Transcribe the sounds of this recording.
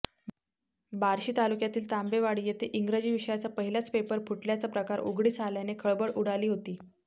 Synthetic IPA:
baɾɕiːt̪alukjat̪iːlt̪ambeʋaɽiːjet̪eʔiŋɡɾəd͡ʑiːʋiɕəjat͡sapəɦiljat͡spepəɾpuʈljat͡sapɾəkaɾṵɡɽiːt͡sʰaljanekʰəɭbəɭuɽaliːɦot̪iː

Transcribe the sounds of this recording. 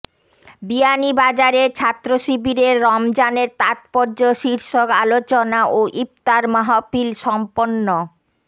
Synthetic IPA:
bianibad͡ʑaɾeɾt͡ɕʰat̪ːɾoʃibiɾeɾːɔmd͡ʑaneɾt̪at̪poɾd͡ʑoʃiɾʃokalot͡ɕonaʔoʔip̚t̪aɾmaɦopilʃɔmponːo

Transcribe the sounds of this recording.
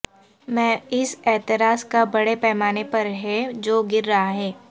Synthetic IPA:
mɛ̃ːɪsɛːt̪ɪɾaːskabɐɽepɛːmaːnepɐɾɦɛd͡ʒoːɡɪɾːɐɦaɦɛː

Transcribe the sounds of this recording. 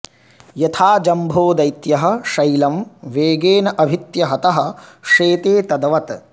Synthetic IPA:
jɐt̪ʰaːd͡ʒɐmbʱoːd̪ɐjt̪jɐɦɐ̆ʃɐjlɐmʋeːɡeːnɐʔɐbʱit̪jɐɦɐt̪ɐɦɐ̆ʂeːt̪eːt̪ɐd̪ɐʋɐt̪

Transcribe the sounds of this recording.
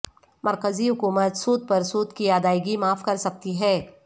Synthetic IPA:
mʔɐɾkəziɦʊkuːmət̪suːd̪̚pɐɾsuːd̪kiaːd̪aːɪɡimaːfkɐɾsɐk̚t̪iɦɛː

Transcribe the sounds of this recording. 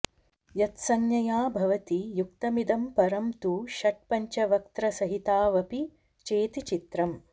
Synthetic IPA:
jɐt̪sɐŋjɐjaːbʱɐʋɐt̪ijuk̚t̪ɐmid̪ɐmpɐɾɐmt̪uːʃɐʈ̚pɐɲt͡ʃɐʋɐkt̪ɾɐsɐɦit̪aːʋɐpi | t͡ʃeːt̪it͡ʃit̪ɾɐm

